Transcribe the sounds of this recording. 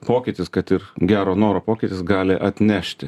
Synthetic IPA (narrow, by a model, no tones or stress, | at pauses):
poːkʲɪt̪ʲɪskɐt̪ɪɾɡʲæːɾoːnoːɾoːpoːkʲɪt̪ʲɪsɡɑːlʲɪʔɐt̪ʲnʲæʃʲt̪ʲɪ